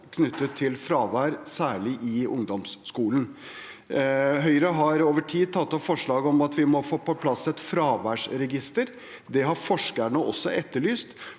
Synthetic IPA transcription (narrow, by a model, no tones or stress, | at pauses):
kʰnʏt̪ʰːət̪ʰːɪlfɾɑːʋæːɾsæːɭɪʔɪʊŋd̪ɔmsːkuːlən | ɦœʏɾəɦɑɾoːʋəʈʰiːd̪̚t̪ʰɑt̪ːɔfɔʂɭɑːɡəɔmɑt̪ʋɪmɔfoːpɔpʰlɑsːɛt̪fɾɑːʋæːʂɾɛɡɪst̪əɾ | d̪ɛɦɑɾfɔʂkæɳəʔɔ̰sːɔʔɛt̪ːəɭyːst̪